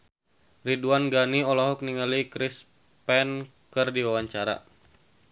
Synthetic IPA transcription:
riduanɡaniɔlɔɦɔk̚niŋalikɾis | pɛn | kɨrdiwawaɲt͡ʃaɾa̰

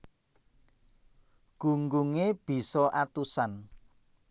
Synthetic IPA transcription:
ɡ̥ṳŋɡuŋeb̥i̤sɔʔat̪usan

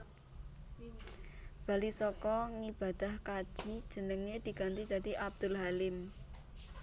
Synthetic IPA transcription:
b̥a̤lisɔkɔŋib̥a̤d̪̥ahkad̥ʒ̥i̤d̥ʒ̥ə̤nəŋed̪̥i̤ɡant̪id̪̥a̤d̪iʔab̚d̪̥ʊ̤lɦalɪm

